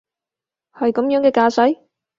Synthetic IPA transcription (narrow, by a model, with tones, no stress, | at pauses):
hɐ˨jkɐ˨˥mjœː˨˥ŋkɛː˧kaː˧sɐ˨˥j